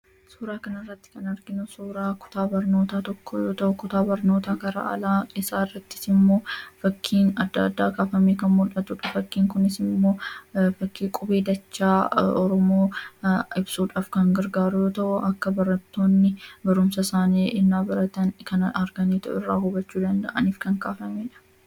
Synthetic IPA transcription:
suːɾaːkɐnɪrːɐt̪ːɪ̥kɐnɐɾɡɪnʊsuːɾaːkʊ̥t̪aːbɐɾno̞ːt̪aːt̪ɔkʰːojoːt̪ɐʔʊkʊt̪aːbɐɾno̞ːt̪aːkɐɾa̰ʔɐ̰laːɪsaːrːɐt̪ːɪ̥sɪmːo̞ːfɐkːiːnɐd̪ːaːd̪ːaːkaːfɐmeːkɐnmʊlɐt̪ʊᶑɐfɐkːiːŋkʊnɪsɪmːo̞ːfɐkːiːkʼʊbe̞ːd̪ɐt͡ʃːaːɔɾɔmo̞ːɪbsuːᶑaːfkɐŋɡɐɾɡaːɾʊjoːt̪ɐʔʊʔɐkːɐbɐɾɐt̪ːo̞ːnːɪbɐɾʊmsɐsaːniːʔɪnːaːbɐɾɐt̪ɐnkɐnɐɾɡɐneːt̪ɐ̰ʔɪ̰rːa̰ːhʊbɐt͡ʃːuːd̪ɐnd̪ɐ̰ʔɐniːfkɐŋkaːfɐmeːᶑɐ̥

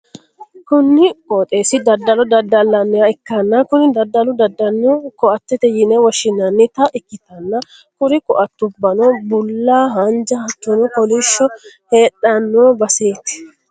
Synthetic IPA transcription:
kʊnːɪkoːt̪ʼeːsɪd̪ɐd̪ːɐlɔd̪ɐd̪ːɐlːɐnːɛjɐɪkːɐnːɐkʊnɪd̪ɐd̪ːɐlʊd̪ɐd̪ːɐnːokɔɐt̪ːɛt̪ɛjɪnɛwɔʃɪnːɐnːɪt̪ɐʔɪkːɪt̪ɐnːɐ | kʊɾɪkɔʔɐt̪ːʊbːɐnobʊlːaːɦɐnd͡ʒɐhɐt̪ːʊnɔkɔlɪʃːɔheːᶑɐnːoːbɐseːt̪ɪ̥

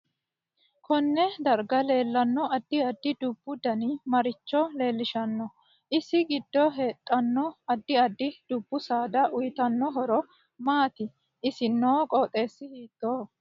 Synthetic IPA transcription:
kʰɔnːɛd̪ɐɾɡɐle̞ːlːɐnːɔɐd̪ːɪɐd̪ːɪd̪ʊb̥ːʊd̪ɐnimɐɾɪt͡ʃːɔle̞ːlːɪʃɐnːɔ | ʔɪsɪɡɪd̪ːɔɦeːt̪ʼːɐnːɔɐd̪ːɪɐd̪ːɪd̪̥ʊbːʊsaːd̪ɐʔʊjt̪ɐnːɔɦɔɾɔ | maːt̪ɪ | ʔɪsɪnːoːkʼɔːt̪ʼe̞ːsːɪhiːt̪ːoː

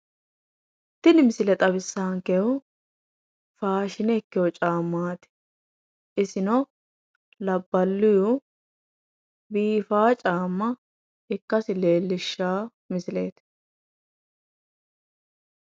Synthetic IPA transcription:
t̪ːɪnɪmɪsɪlɛt̪ʼɐβɪsːaːŋkɛʊ | faːʃɪnɛkːɪwɔt͡ʃʼaːmːaːt̪ɪ̥ | ʔɪsɪnɔ | lɐbːɐlːʊju | biːfaːt͡ʃʼaːmːɐ | ɪkːɐsɪle̞ːlːɪʃːaː | mɪsɪleːt̪

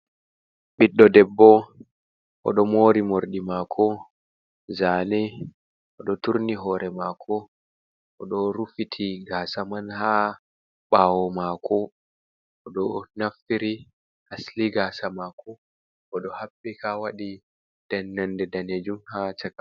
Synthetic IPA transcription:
ɓiɗːɔdɛbːɔ | ʔɔ̰ɗɔmoɾimoɾɗimaːkʰɔ | zaːnɛ | ʔɔɗɔtuɾniɦɔːɾɛmaːkʰɔ | ʔɔɗɔɾufitʰiɡaːsamanha | ɓaːwɔmakʰɔ | ʔɔɗɔnaftiɾi | hasliɡasamakʰɔ | ʔːɗɔhaɓːɛkʰawaɗi | d̥ɛnːandɛdaned͡ʒumhat͡ʃaka

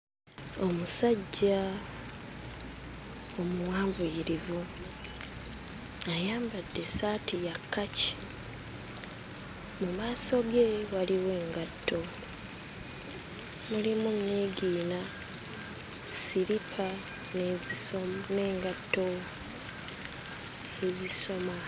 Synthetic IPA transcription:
o̞musaɟːa | omuwaːmbujiɾivu | ajaːmbadːe̞saːtijakːaci̥ | mumaːso̞ɡe̞waliwe̞ːŋɡatːo̞ | mulimunːe̞ːɡiːna | siɾipʰa | ne | ne̞ːŋɡatːo | eziso̞ma

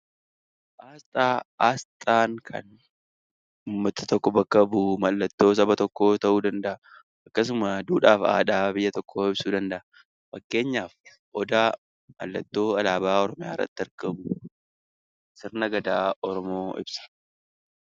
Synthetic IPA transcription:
ʔaːst̪ʼaːaːst̪ʼaːŋkʰɐ̰n | ʊːmːɐt̪ɐt̪ɔkːɔbɐkːɐbuːmɐlːɐt̪ːo̞ːs̬ɐbɐt̪ɔkːo̞ːt̪ɐʔuːd̪ɐnd̪ɐʔɐ | ʔɐkːɐs̬ʊmɐd̪uːᶑaːfa̰ːᶑaːbɪjːɐt̪ɔkːoːɪbsuːd̪ɐnd̪ɐʔɐ | fɐkːe̞ːɲːaːf | ʔɔd̪aː | mɐ̰lːɐt̪ːo̞ːɐlaːbaːɔɾɔmɪjaːɪrːɐ̰t̪ːɪɐɾkɐmʊ | sɪɾnɐɡɐd̪aːɔɾɔmo̞ːʔɪ̰bsɐ̥

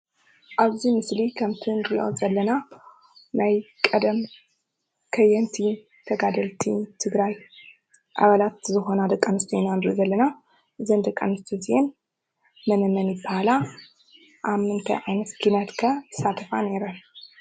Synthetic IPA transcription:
ʔaβzimɨslikʰɐmt̪ʰind̪ɾʔo̰zɐlːɐna | najkʼɐd̪ɐm | kʰɐjːɛnt̪ʰi | t̪ʰɐɡad̪ɐlt̪ʰit̪ʰɨɡɾaj | ʔa̰βalat̪zɨxo̞nad̪ɐkʼːɐnɨst̪ʰuinand̪ɾʔozɐlːɐna | ʔɨzɐnd̪ɐkʼːa̰nɨst̪ʰizien | mɐnɐmɐnjɪbːahala | ʔamɨnt̪ʰɐ̰jʕajnɐt̪kʰinɐt̪kʰɐt̪ʰɨ̥sat̪ʰɐfaneɾɐ

